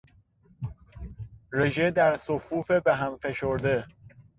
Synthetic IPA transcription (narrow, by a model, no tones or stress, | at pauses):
ɾeʒed̪æɾsofuːfebeɦæmfe̞ʃoɾd̪e